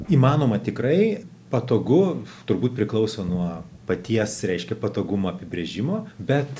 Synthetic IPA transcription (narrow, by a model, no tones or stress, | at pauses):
iːmɑːnoːmɐt̪ʲɪkɾɐɪ | pɐt̪oːɡʊt̪ʊɾbuːt̪̚pʲɾʲɪklˠɐʊsʲoːnuɔpɐt̪ʲiɛsɾʲɛɪʃʲkʲɛpɐt̪oːɡʊmoːɐpʲɪbʲɾʲeʒʲɪmoːbʲɛt̪